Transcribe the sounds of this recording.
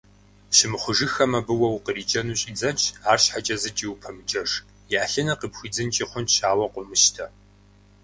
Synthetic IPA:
ɕɪmɨχʷʊʒɨxɐmɐbɨwɐwqəriːd͡ʒʼɐnuːɕʼiːd͡zɐnt͡ʃʼʰaːrɕħat͡ʃʼɐzɨt͡ʃʼiwpʰɐmɨd͡ʒʼɐʒ | jaːɬɐnɐqipxʷiːd͡zɨnt͡ʃʼiχʷʊnɕaːwɐqʷʊmɨʃtʰɐ

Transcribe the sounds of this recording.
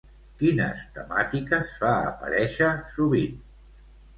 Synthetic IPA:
kinə̰st̪əmat̪ikəsfa̰ːpə̰ɾɛʃəsuβin

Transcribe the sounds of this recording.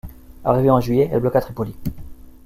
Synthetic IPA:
a̰ʁiveɑ̃ʒɥijɛɛlblɔkat̪χipɔli

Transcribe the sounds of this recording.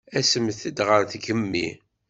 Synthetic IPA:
æsəmθid̪ʁəɾθɡəmːḭ

